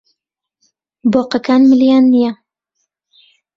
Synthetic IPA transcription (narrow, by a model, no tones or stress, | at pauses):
boqakaːnmɨlijaːnːija